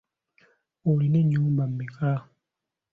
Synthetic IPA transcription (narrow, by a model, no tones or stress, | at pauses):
olineɲːuːmbam̩mikʰa